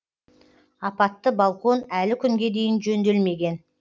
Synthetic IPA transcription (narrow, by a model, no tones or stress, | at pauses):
ɑpɑt̪ːəbɑlˠko̞nælɪkʲʰʏŋɡʲe̞d̪e̞jɪnʒɵnd̪e̞lme̞ɡʲe̞n